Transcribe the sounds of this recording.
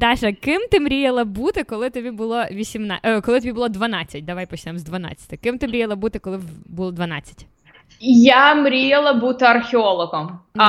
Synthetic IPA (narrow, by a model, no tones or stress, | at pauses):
d̪ɑʒɛkɪmt̪ɪmɾʲijɐlˠɐbut̪ɪkɔlˠɪt̪ɔbʲibʊlˠɔʋʲisʲimnɑʔkɔlˠɪt̪ɔbʲibʊlˠɔd̪ʋɐnɑt͡sʲːɐt̚ʲd̪ɐʋajpɔt͡ʃnɛmzd̪ʋɐnɑ̰t͡sʲːɐ̥t̪ɪkɪmt̪ɪmɾʲijɐlˠɐbut̪ɪkɔlˠɪbulˠɔd̪ʋɐnɑt͡sʲːɐ̥tʲ | jamɾʲijɐlˠɐbut̪ɪɐrxʲɪɔlˠɔɣɔm